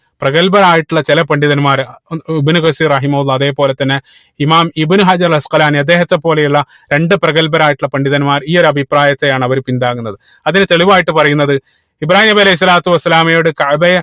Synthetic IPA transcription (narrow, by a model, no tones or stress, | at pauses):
prɐɣɐlbɐɾaːjiʈːuɭːɐt͡ɕelɐpɐɳɖiðɐnmaːɾibɨnukɐsiːrɐɦimɐɦulˠːɐɐðe̞ːpo̞ːle̞t̪ːɐnːe | imaːmibɨnuɦɐd͡ʑɐɾlɐsqɐlaːniɐd̪ːeːɦɐt̪ːe̞pːo̞ːle̞juɭːɐ | ɾe̞ɳɖɨprɐɣɐlbɐɾaːjiʈːuɭːɐpɐɳɖiðɐnmaːɾiːo̞ɾɐbʱipraːjɐt̪ːejaːɳɐʋɐɾupind̪aːɣunːɐðɨ | ɐðinɨt̪eɭiʋaːjiʈːɨpɐrɐjunːɐðɨ | ibɾaːhiːmɐbiɐlɐɦis̬ːɐlaːt̪ːuʋɐsːɐlaːmɐjoːɽɨkɐʕbɐjɐ